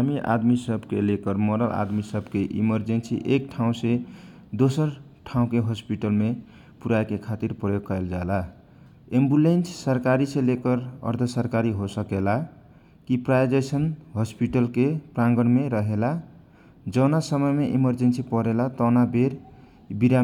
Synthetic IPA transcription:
ɦamiʔa̰d̪misəbkelekəɾmoɾəlʔa̰d̪misəbkeʔḭməɾd͡ʒensḭʔek̚ʈʰaũse | d̪osəɾ | ʈʰaũkeɦospiʈəlme | puɾajkekʰat̪iɾpɾəjoɡ̚kaeld͡ʒala | embulenssəɾkaɾisẽlekəɾə̰ɾd̪ʱʰəsəɾkaɾiɦosəkela | kipɾad͡ʒesənɦɔspiʈəlkepɾãŋɡəɽmeɾəɦela | d͡ʒʌwnasəməjmeʔiməɾd͡ʒensipəɾelat̪nabeɾ | biɾa

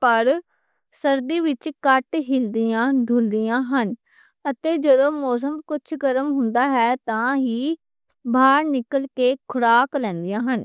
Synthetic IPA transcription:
pəɾ | səɾd̪iːʋɪt͡ʃkəʈɦɪld̪ɪjãːd̪ʱʊld̪ɪjãːɦən | ət̪eːd͡ʒəd̪õːmɔːs̬əmkʊt͡ʃʰɡəɾəmɦʊnd̪aːɦɛːt̪ãːɦiː | bʱaːɾnɪkəlkeːkʰʊɽaːklɛ̃ːnd̪ɪjãːɦən

